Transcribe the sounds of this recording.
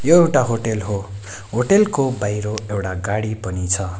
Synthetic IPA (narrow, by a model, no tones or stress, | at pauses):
joewʈaɦoʈelɦo | ɦoʈelkobajɾoewʈaɡaɽipʌnit͡sʰʌ